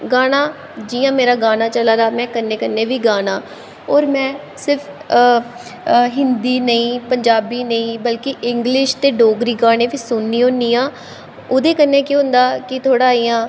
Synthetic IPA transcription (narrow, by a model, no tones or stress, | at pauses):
ɡaːnaː | d͡ʒɪjãːmeːɾaːɡaːnaːt͡ʃəlaːɾaːmɛ̃ːkənːẽːkənːẽːʋiːɡaːnaː | ɔːɾmɛ̃ː | sɪɾpʰ | ɦɪnd̪iːnəĩːpəɲd͡ʒaːbiːnəĩːbəlkɪʔɪŋɡlɪʃt̪eːɖoːɡɾiːɡaːɽẽːʋiːsʊnːiːɦʊ̃ːnd̪iːãː | ʊd̪eːkənːeːkeɦʊ̃nd̪aːkɪt̪ʰoːɽaːiːjãː